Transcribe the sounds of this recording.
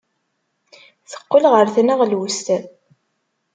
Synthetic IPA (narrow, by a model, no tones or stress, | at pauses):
θə̥qːəlʁəɾθnəʁlwʊst̪æ